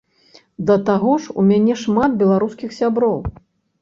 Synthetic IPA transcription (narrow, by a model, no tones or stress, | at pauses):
d̪ɐt̪aɣɔʂṵmʲanʲɛʂmat̪̚bʲɛlˠaɾuskʲixsʲabɾɔw